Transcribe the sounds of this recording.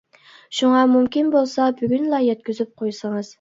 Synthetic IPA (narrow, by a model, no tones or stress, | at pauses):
ʃuŋɑmumkʲinbolˠsɑbyɡʲynlˠɑjɛt̪kʲyzyp̚qʰojsəŋɨz̥